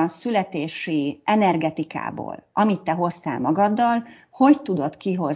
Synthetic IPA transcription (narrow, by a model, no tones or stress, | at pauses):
nsylɛt̪eːʃiɛnɛrɡɛt̪ika̰ːbo̰ːlʔɒmit̪ːɛɦo̞st̪a̰ːlmɒɡɒd̪ːɒl | ho̞ct̪ud̪o̞t̪kiɦo̞z